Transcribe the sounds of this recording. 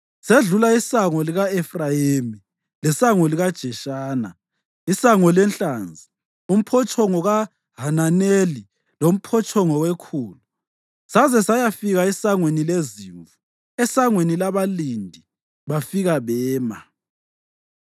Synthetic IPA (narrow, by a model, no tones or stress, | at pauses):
seɮulaisaŋɔliɣaɛfrajemi | lɛsaŋɔliɣad̥ʒ̥ʱɛʃaːna̰ | isaŋɔlɛnɬʼaːnd͡zʱi | um̩pʰɔt͡ʃʰɔŋɔɣa | ɦananeli | lom̩pʰɔt͡ʃʰɔŋɔwekʰuːlu | sazɛsajafiɣaisaŋwenileziːɱvu | ɛsaŋwenilaβalindʱi | βafiɣaβɛːma̰